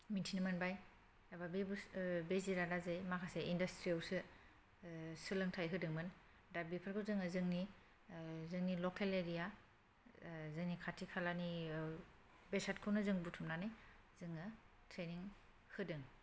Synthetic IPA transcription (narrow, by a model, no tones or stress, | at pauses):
mintʰinemanbaj | ababebubeziɾadazejmakʰaseindastɾiawsɯ | sɯlɯŋtʰajɦɯdɯŋmɯn | dabipʰaɾkʰɯzɯŋɯzɯŋni | zɯŋnilɔkʰeleɾija | zɯŋnikʰatʰikʰalani | besatkʰɯwnɯzɯŋbutʰumnanɯj | zɯŋɯ | tʰɾeniŋ | hɯdɯŋ